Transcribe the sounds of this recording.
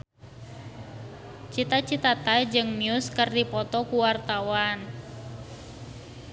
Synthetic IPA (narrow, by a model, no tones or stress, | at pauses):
t͡ʃit̪at͡ʃit̪at̪ajd͡ʒɨŋmiuskərdipɔt̪ɔkuwart̪awan